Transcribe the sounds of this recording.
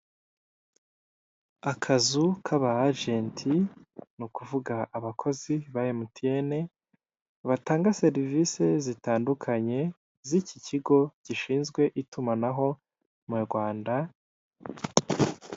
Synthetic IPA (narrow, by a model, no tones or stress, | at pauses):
akʰazukʰaβaːʒentʰinukuvuɡaʔːβakʰo̞ziβajemutʰiene̞ | βataːŋɡase̞ɾiviːse̞zitaːndukʰaɲe̞ | ziciciɡo̞ɟiʃiːnzɡwe̞ʔitumanaɦo̞ | muuɾɡwaːnda